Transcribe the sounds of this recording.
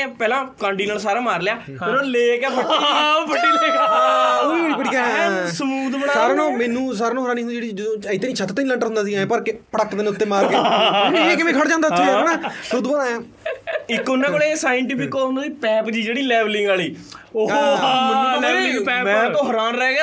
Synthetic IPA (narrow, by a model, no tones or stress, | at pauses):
pɛːlãːkãːɳʈiːnəsaːɾaːmaːɾlɪjaː | nõːleːkɛːpəpʰəʈːi | oːiːoːɽiːpəʈiːkãsəmuːd̪bənasaːɾaːnõːmɛ̃ːnũːs̬aːɾaːnõːɦɾaːniːɦʊnːd͡ʒeːɽid͡ʒəd̪õːɪt̪ːeːnĩːt͡ʃʰət̪ːt̪enĩːlə̃ɳʈəɾɦʊ̃nd̪aːsiːɛ̃ːpəɾkɪpəɽək̪mẽñːt̪ːeːmaːɾkeẽːkɪmɛ̃ːkʰəɽd͡ʒãːnd̪aːiːɛːnaːsod̪bənãːɛː | ɪkːonãkolesaːjəɳʈɪpɪkːoʊ̃nd̪aːiːpɛːpd͡ʒiːd͡ʒeːɽiːlɛːʋlɪŋɡaːliː | oamɛlɛːlɪ̃ɛːmɛ̃t̪õːɦəɾaːnɾɛːɡ